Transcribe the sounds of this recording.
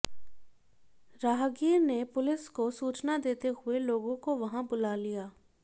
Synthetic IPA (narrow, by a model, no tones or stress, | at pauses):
ɾaːɦɡiːɾnepʊlɪskosuːt͡ʃnad̪eːt̪ehʊeloːɡõkoʋɐɦãbʊlalijaː